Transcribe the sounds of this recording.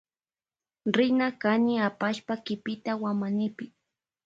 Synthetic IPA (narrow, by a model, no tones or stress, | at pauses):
ɾɪnakanɪapaʃpakɪpɪt̪awamanɪpɪ